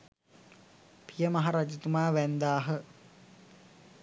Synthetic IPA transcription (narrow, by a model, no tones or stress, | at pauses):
pijəmɐɦaɾad͡ʒit̪umaːʋænd̪aːɦə